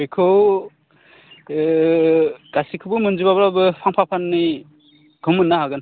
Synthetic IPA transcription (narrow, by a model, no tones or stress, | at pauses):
ikʰɯw | ɡ̥asikʰɯbɯmɯnd͡ʒibabɾabɯpʰaŋpʰapʰanːi | ɡ̥ɯmɯnːaɦaɡɯn